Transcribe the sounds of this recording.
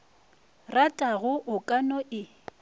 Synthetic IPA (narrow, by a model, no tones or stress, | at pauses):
ratʼaɣʊʔʊkʼanɔʔɪ